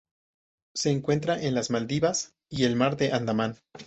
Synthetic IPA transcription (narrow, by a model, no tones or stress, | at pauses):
se̞ːŋkwe̞nt̪ɾaʔenlazmald̪iβas | ie̞lmaɾðe̞ʔand̪aman